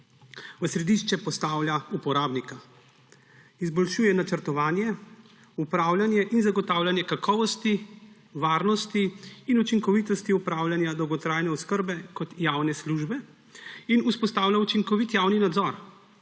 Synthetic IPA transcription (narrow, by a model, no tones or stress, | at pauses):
ʋəsɾɛd̪iʃt͡ʃɛpɔst̪aːwlʲjaupɔɾaːbnika | izbɔlʃuːjɛnat͡ʃəɾt̪ɔʋaːnjɛ | upɾaːwlʲjanjɛʔinzaɡɔt̪aːwlʲanjɛkakʰɔːʋɔst̪i | ʋaːɾnɔst̪iːnut͡ʃiŋkɔʋit̪ɔst̪iupɾawlʲjanjad̪ɔwɡɔt̪ɾaːjnɛɔwskəɾbɛkɔt̪jaːwnɛsluʒbɛ | inuspɔst̪aːwlʲjaut͡ʃiŋkɔʋit̪jaːwninad̪zɔɾ